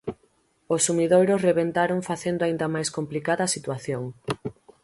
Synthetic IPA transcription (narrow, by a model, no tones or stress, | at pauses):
osːumiðojɾosreβent̪aɾoŋfaθend̪oaĩnd̪ɐmajskomplikaðɐːsit̪waθjoŋ